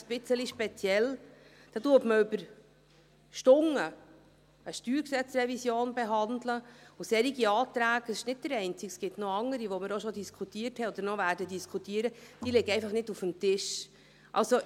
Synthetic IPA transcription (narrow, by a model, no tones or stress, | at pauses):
sb̥ɪt͡səliʃpɛt͡sjɛld̪̥ɑtuətməʏbəɾ | ʃtʊŋə | əʃtyːɾksɛt͡srɛvisjoːnbeɦɑnd̪ləusɛɾiɡiɑːt̪ɾæːɡəsɪʃnɪd̚dəɾɛɪnt͡siksɡ̥ɪtnoɑŋːəɾiʋɔmɪɾoʃɔd̪iskʰχutiːəɾthɛɔdəɾnɔvæːɾdədiskʰχutiːəɾəd̥iːlɪɡəɛɪfɑχnɪdufəmtɪʃ | ʔɑ̰lso